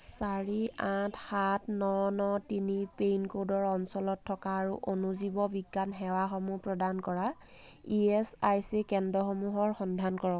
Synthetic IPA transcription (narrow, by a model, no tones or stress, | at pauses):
saɹiãtxatnɔnɔtinipejnkodɔɹɔnsɔlɔtʰːɔkaːɹuʔonuzibɔbiɡːanɦɛwaxɔmupɹɔdankɔɹa | iɛsajsikɛndɹɔxomuɦɔɹxɔndʱankɔɹɔk